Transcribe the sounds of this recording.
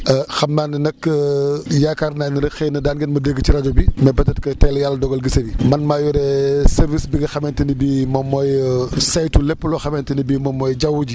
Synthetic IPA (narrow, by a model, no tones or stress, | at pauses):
ɐxɐmnaːnnɐkːəjaːkaːɾnaːniɾɐxɛnɐdaːnɡɛnmɐdəɡːət͡ʃiɾɐd͡ʒɔbimɛbɐtɐt̚kɐtɛlɐjalːɐdɔɡɐlɡəsɐbimɐnmaːjɔɾɛsɛɾvisbiɡɐxɐmɛntɐnibimɔmːɔjsajtulɛpːəlɔxɐmɛntɐnibimɔmɔːjd͡ʒɐwːuɟi